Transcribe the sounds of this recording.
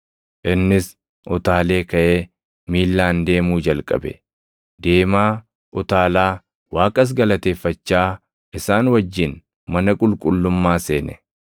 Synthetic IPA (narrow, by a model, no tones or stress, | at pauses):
ʔɪnːɪs | ʔɔt̪aːle̞ːkɐʔeː | miːlːaːnd̪e̞ːmuːd͡ʒɐlkʼɐ̰bɛ̰ | d̪̥e̞ːmaː | ʔɔt̪aːlaː | waːkʼɐs̬ɡɐlɐt̪e̞ːfːɐt͡ʃːaː | ʔɪsaːnwɐd͡ʒːɪn | mɐnɐkʼʊlkʼʊlːʊmːaːse̞ːnɛ̰